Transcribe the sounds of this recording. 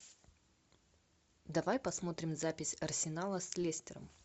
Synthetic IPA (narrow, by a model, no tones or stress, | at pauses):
d̪ɐvajpɐsmo̞t̪ɾʲɪmzapʲɪsʲɐrsʲɪnalˠəsʲlʲesʲtʲɪɾə̰m